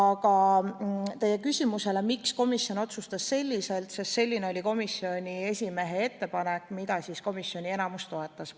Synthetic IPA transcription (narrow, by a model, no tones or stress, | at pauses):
ɑkɑ | t̪e̞je̞kysʲimuse̞le̞miksko̞misjo̞no̞t̪sust̪ɑsse̞lʲːise̞lt̪sest̪se̞lʲːineolʲiko̞misːio̞nʲie̞sʲime̞ɦe̞e̞t̪ːe̞pɑnekːˑmid̪ɑsisko̞misːjo̞nʲie̞nɑmust̪o̞e̞t̪ːˑɑs